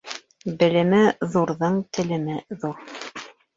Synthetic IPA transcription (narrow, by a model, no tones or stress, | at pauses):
bɘ̆lɘ̆mɘðuɾðɤɴt̪ʰɘ̆lɘ̆mɘðuɾ